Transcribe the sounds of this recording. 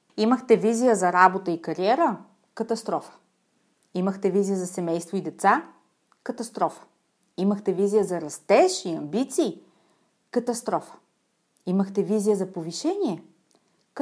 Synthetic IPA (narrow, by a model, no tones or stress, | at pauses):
iməxt̪ɛvizijəzɐɾabot̪əikɐɾiɛɾə | kɐt̪ɐst̪ɾɔfə̥ | iməxt̪ɛvizijəzɐsɛmɛjst̪void̪ɛt̪sa | kət̪ɐst̪ɾɔfə̥ | iməxt̪ɛvizijəzɐɾɐst̪ɛʃiɐmbit̪siː | kɐt̪ɐst̪ɾɔfə̥ | iməxt̪ɛvizijəzɐpoviʃɛnʲiɛ